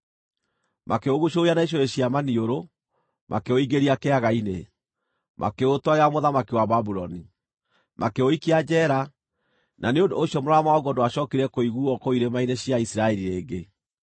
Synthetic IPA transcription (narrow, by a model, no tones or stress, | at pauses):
makeoɣuʃoianaiɕ̬oɾeɕjamanioɾo | mʔa̰keoiɡeɾiakeaɣaine | mʔa̰keotwaeamoðamakiwababuɾɔni | mʔakeoikiad͡ʑɛːɾa | naneondoːʃjɔmoɾɔamawɔɣwɔndoaɕɔːkeɾiɛkoiɣuɔkoiɾemaineɕjaisiɾaɛɾiɾeːɡe